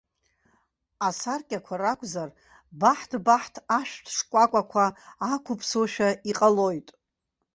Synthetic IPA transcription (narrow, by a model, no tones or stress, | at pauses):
asarkʲʼakʷʰarakʷʼzar | baħtʰbaħtʰaʃᶣtʰʂkʷʼakʷʼakʷʰaːkʷʰʊpʰsoʃᶣaiqʼalo̞jtʼ